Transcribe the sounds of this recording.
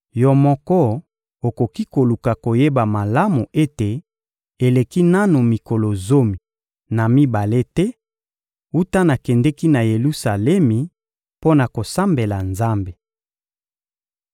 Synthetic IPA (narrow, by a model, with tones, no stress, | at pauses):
jɔ˨mɔ˦kɔ˦ | o˨ko˨ki˦ko˨lu˨ka˨ko˨je˦ba˨ma˨la˦mu˨e˦te˨ | e˨le˨ki˦na˦nu˨mi˨ko˨lo˨zo˦mi˨ | na˨mi˦ba˨le˦tɛ˦ | u˦ta˦na˨kɛ˨ndɛ˦ki˦na˨je˨lu˦sa˨lɛ˦mi˨ | po˦na˨ko˨sa˦mbe˨la˨nza˦mbe˨